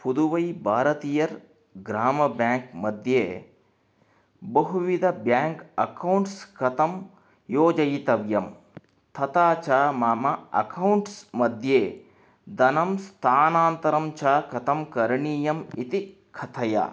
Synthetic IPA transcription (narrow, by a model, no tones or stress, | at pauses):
pud̪uʋɐjbʱaːɾɐt̪iːjɐɾ | ɡɾaːmɐbjaːŋkmɐd̪ʱjeː | bɐɦuʋid̪ʱɐbjaːŋkɐkɐwɳʈskɐt̪ɐm | joːd͡ʒɐjt̪ɐʋjɐm | t̪ʰɐt̪aːt͡ʃaːmaːmɐɐ̰kɐwɳʈsmɐd̪ʱjeː | d̪ɐnɐmst̪ʰaːnaːnt̪ɐɾɐmt͡ʃʰaːkɐt̪ɐmkɐɾɳiːjɐmit̪i | kʰɐt̪ʰɐja̰